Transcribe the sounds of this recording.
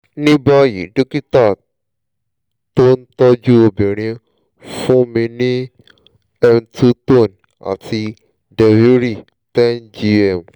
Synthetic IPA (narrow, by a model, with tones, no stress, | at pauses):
nĩ˦ba˦jḭ˨ɖo˦ki˦ta˦˨ | to˦nt̪ɔ˦d͡ʒu˦o˧be˨ɾ̃ẽ˧˦ | fũ˦mĩ˧nĩ˦ | ɛ˧mtu˦to˦˨n | a̰˨ti˧ | dɛ˧wi˦ɾi˦˨ | tɛ˦nd͡ʒi˧ɛ˨m